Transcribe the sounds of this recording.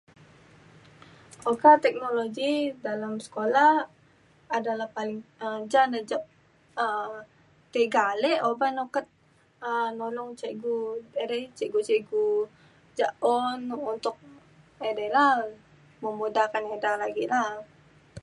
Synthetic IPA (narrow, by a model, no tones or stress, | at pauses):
okat̪ɛk̚noloɡidalamsə̥kolah | adalahpalɪŋəd͡ʒanəd͡ʒap̚ | ə | t̪eɡalɛobanokət̪̚ | ənolɔŋt͡ʃɛɡuedɛt͡ʃɛɡut͡ʃɛɡu | d͡ʒaʔɔnunt̪ʊk̚ | edɛlah | məmbudakanedalaɡilah